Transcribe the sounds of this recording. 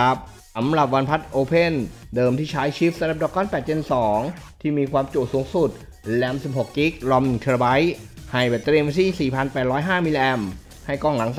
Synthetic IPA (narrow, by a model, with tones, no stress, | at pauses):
p̚ | sa˩˦mɾa˨˩p̚wa˧npʰa˦˥t̪̚ʔoː˧pʰe˥˩ndɤː˧mt̪ʰiː˥˩t͡ɕʰaː˦˥jt͡ɕʰiː˦˥f̚sa˧ɾa˨˩p̚dɔː˨˧˩kːɔː˥˩npɛː˨˩t̪̚t͡ɕe˧nsɔː˩˦ŋt̪ʰiː˥˩miː˧kʰwaː˧mt͡ɕu˨˩suː˩˦ŋsu˨˩t̪̚ | lɛː˧˩msi˨˩p̚ho˨˩kki˦˥k̚lɔ˧mn˨˩ŋt̪ʰːba˦˥jha˨˩jpa˨˩t̪ɾi˧əmʋa˧nt̪ʰiː˥˩˨siː˨˩pʰa˧npɛː˨˩t̪̚ɾɔː˦˥jɦaː˥˩mi˧lʔɛ˧m | ha˥˩jkɔː˥˩ŋla˩˦ŋs